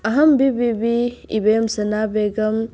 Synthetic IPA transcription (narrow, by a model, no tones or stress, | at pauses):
ɐɦɐmbibibiibejmsɐnaːbeːɡɐm